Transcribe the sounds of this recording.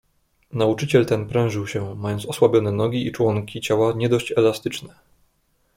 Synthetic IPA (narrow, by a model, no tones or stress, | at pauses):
naut͡ʂɘt͡ɕɛlt̪ɛnpɾɛ̃w̃ʐɘwɕɛmajɔnt̪sɔswabʲjɔnɛnɔɡʲiit͡ʂwɔŋkʲit͡ɕawaɲɛd̪ɔɕt͡ɕɛlast̪ɘt͡ʂnɛ